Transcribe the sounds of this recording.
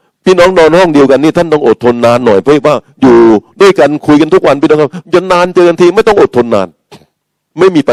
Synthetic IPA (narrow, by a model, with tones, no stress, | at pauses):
pʰiː˥˩nɔː˦˥ŋnɔː˧nhɔ˥˩ŋdi˧əwka˧nːiː˥˩t̪ʰa˥˩nt̪ɔ˥˩ʔo˨˩t̪ʰːo˧nːaː˦˥nːɔ̰˨˩jpʰɔ˦˥˦waː˥˩ | juː˨˩du˥˩əjka˧nkʰu˧jka˧nt̪u˦˥k̚wa˧npiː˦˥˩nɔː˦˥ŋkʰa˥˩˥ja˧nːaː˧nt͡ɕɤː˧ka˧nt̪ʰiː˧ma˥˩jt̪ɔ˥˩ŋʔo˨˩t̪ʰːo˧nːa̰ː˧˥n | ma˥˩jmiː˧pa˧